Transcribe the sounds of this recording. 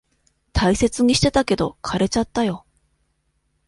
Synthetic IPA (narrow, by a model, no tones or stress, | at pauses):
t̪ʰaise̞t͡sɨɲ̟iɕi̥t̪e̞t̪ake̞d̪o̞kʰaɾe̞t͡ɕat̪ːajo̞